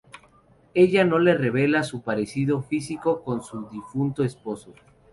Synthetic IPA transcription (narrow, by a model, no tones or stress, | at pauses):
e̞ʝano̞le̞re̞β̞e̞lasupaɾe̞siðo̞fisiko̞ko̞nsuðifunt̪oespo̞so